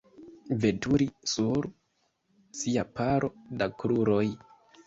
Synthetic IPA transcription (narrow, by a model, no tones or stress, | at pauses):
ve̞tuɾisuɾ | siapaɾʔo̞dakɾuɾo̞j